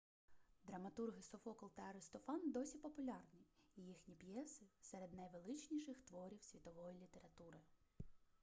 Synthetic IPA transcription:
d̪ɾɐmɐt̪urɦɪsɔfɔkɔlˠt̪ɐɐɾɪst̪ɔfɑnd̪ɔsʲipɔpʊlʲɑrnʲiːjixnʲipjɛsɪsɛɾed̪nɐjʋelˠɪt͡ʃnʲiʃɪxt̪ʋɔɾʲiwsʲʋʲit̪ɔʋɔjilʲit̪eɾɐt̪uɾɪ

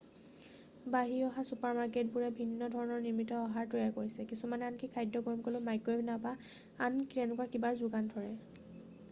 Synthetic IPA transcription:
baɦiɔɦasupaɹmaɹketbuɹɛbʱinːɔdʱɔɹɔnɔɹniɹmitɔːɦaɹtojakoɹisɛkisumanɛankikʰajdɔɡɔɹmkolomajkebnapa | anktɛnʊkwakibaɹzuɡandʱɔɹɛ

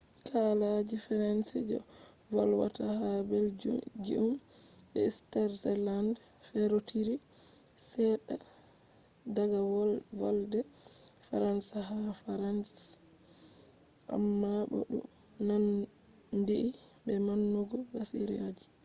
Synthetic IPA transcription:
tʰalad͡ʒifaɾansid͡ʒɔ̰ | walwa̰tahabɛld͡ʒḭʔum | bɛstɛɾsɛland | fɛɾotʰiɾi | sɛɗa | daɡawwaldɛ | faɾansaɦafaɾans | ʔa̰mːabɔ̰ɗṵ | nan | ndiʔi | bɛmanːɔɡɔwasḭɾiad͡ʒi

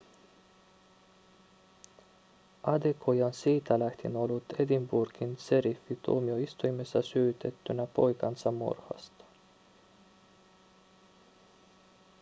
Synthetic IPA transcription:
ʔɑd̪ekʰojɑnsiːt̪ælæht̪ino̞lːut̪e̞d̪imburɡ̥inse̞ɾifːit̪uːmioist̪ujmesːɑsyːt̪e̞t̪ːynæpo̞jkɑnsɑmːṵrhɑ̰st̪ɑ̥

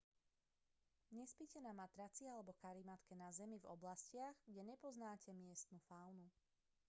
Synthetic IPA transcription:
ɲɛspicɛnamat̪ɾat͡sialɛbɔkaɾimat̪kɛnazɛmivɔblascɪaɣɡɟɛɲɛpɔznaːcɛmɪɛst̪nufaʊnu

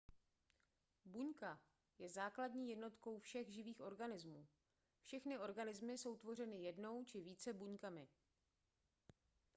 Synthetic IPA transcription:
buɲka | jɛzaːkladɲiːjɛdno̞t̪ko̞wfʃɛɣʒɪviːxʔo̞ɾɡanɪzmuː | fʃɛxnɪʔo̞ɾɡanɪzmɪso̞wt̪vo̞r̝ɛnɪjɛdno̞wt͡ʃɪviːt͡sɛbuɲkamɪ

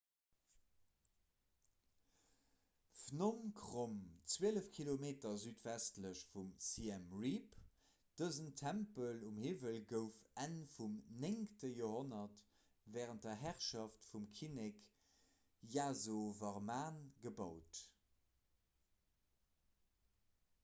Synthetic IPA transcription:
fnomkʰʁomt͡sweːələfkʰilomeːtɐzyːtv̥æstləɕfumsiɛmʁip | d̥əzəntʰæmpəlumhiːvəlɡəʊfænfumneŋktəjoːhonɐt | vɛːʁənt̚dɐɦæʁʃaftfumkʰinɛk | jaːzovɑʁmaːnɡəbɑʊt

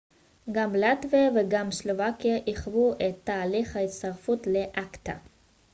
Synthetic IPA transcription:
ɡamlat̪viveɡamslovakijaʔiχvuʔet̪ːaːliχhait̪st̪aʁfutleʔakt̪a̰

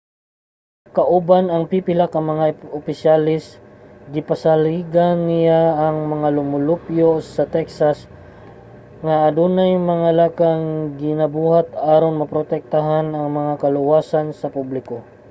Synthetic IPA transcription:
kɐʔʊbanɐŋpipɪlakɐmɐŋaʊpɪsjalɪsɡɪpɐsaliːɡanːɪjaːŋmɐŋalʊmʊlupjosɐt̪ɛksas | ŋaʔːd̪unajmɐŋalakaŋɡɪnɐbuːhat̪aːɾonmɐpɾot̪ɛk̚t̪aɦanɐŋmɐŋakɐlʊwaːsansɐpublɪko

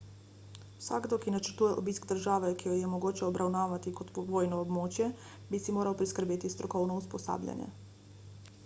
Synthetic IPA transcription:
uwsa̰ːɡd̪ɔkinat͡ʃəɾt̪uːjɛʔobiskd̪əɾʒaːʋɛkijojɛmoɡoːt͡ʃɛɔbɾʔawnaːʋat̪ikot̪poʋoːjnɔːbmoːt͡ʃjɛ | bisimoːɾawpɾiskəɾbeːt̪ist̪ɾɔkɔwnɔuspɔsa̰ːbʎʲa̰ɲjɛ̰

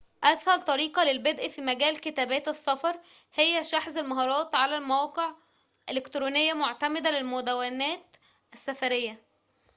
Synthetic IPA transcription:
ʔæshælt̪ˤɑɾiːqɑlelbed̪ʔfiːmæɡæːlkɪt̪æːbæːt̪esːɑfɑɾˤ | hejːæʃaħzælmɑɦɑːɾˤɑːt̪ʕalælmæwɑːqeʕ | ʔelekt̪ɾuːnejːæmoʕt̪æmed̪ælelmod̪æwænæːt̪ | ʔæsːæfæɾejːæ

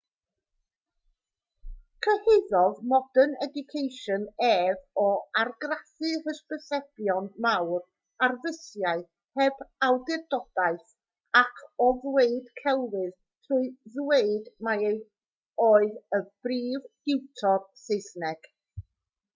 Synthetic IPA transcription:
kʰəhɪðɔðmɔdənɛdʊkʰejʃənɛːvɔarɡraθɨhəsbəsɛb̥jɔnmawr | arvɪsjaɨθ | hɛbawdɪrdɔd̥aɨθ | akʰɔðweɨd̥kʰɛlˠvɨð | tʰruɨðweɨdmaej | oːɨðəb̥riːvɡ̥ɪwtʰɔrseɨsnɛɡ̥

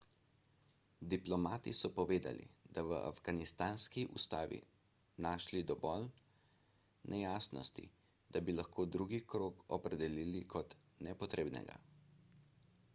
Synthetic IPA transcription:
d̪iplɔmaːt̪isɔpɔʋeːd̪a̰lḭd̪̥aʋəʔa̰vɡanist̪aːnskiʔust̪aːʋḭ | naːʃlid̪ɔʋɔl | nʔɛjaːsnɔ̰st̪ḭ | d̪̥abilaxkʰoːd̪ɾuːɡikɾoːkɔpɾɛd̪ɛliːlikʰɔt̪nɛpɔt̪ɾeːbnɛ̰ɡa̰

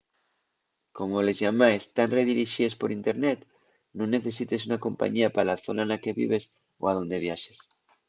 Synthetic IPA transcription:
ko̞molezʝamaest̪anreð̞iɾiʃiespoɾint̪eɾnet̪ | nõnːeθe̞s̬it̪es̬unako̞mpa̰ɲiapalaθonanakeβḭβ̞es | o̰aðo̞nd̪e̞β̞jaʃe̥s

